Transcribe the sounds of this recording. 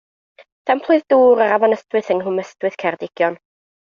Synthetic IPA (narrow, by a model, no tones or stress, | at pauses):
tʰɛmpʰlˠʊjðduːɾəɾavanəstwɨθəŋɦʊməstwɨθkʰɛrdɪɡ̥jɔn